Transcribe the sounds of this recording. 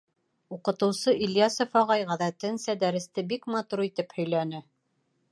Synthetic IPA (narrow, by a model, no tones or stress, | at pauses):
uqɤ̆t̪ɤ̆wsɤʔiljɑsŏfɑʁɑjʁæðæt̪ɘnsæd̪æɾɘ̆st̪ɘbikmɑt̪uɾit̪ɘphɵ̆jlænɘ